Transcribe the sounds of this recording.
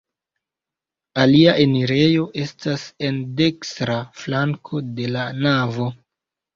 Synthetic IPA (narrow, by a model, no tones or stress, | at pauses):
aliaʔe̞niɾe̞jo̞ʔe̞stase̞nde̞kstɾaflaŋkʰo̞de̞lanavo̞